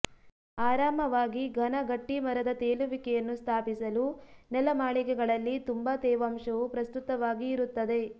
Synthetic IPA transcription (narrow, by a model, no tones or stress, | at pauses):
aːɾaːmɐʋaːɡiɡʱɐnɐɡɐʈːimɐɾɐd̪ɐt̪eːluʋikɛjɐnːust̪ʰaːpisɐlunɛlɐmaːɭikɛɡɐɭɐlːit̪umbɐt̪ɛːʋaːmʂɐʋupɾɐst̪ut̪ɐʋaːɡiːɾut̪ːɐd̪e̞